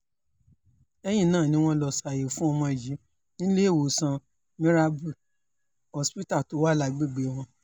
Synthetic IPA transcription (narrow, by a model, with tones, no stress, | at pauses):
ɛ˧j̃ĩ˦˨nãː˦˨nĩ˨˦w̃ɔ̃˦lɔ˧sa˨je˨fũ˦ɔ˧mɔ̃˧i˨d͡ʒi˨˦ | nĩ˦le˦e˦˨wo˨sã˧ | mĩ˦ɾa˧bu˦˨ | ɔ˨spi˦ta˦˨to˨˦wa˦la˧˨ɡ͡be˦˨ɡ͡be˨˦w̃ɔ̃˧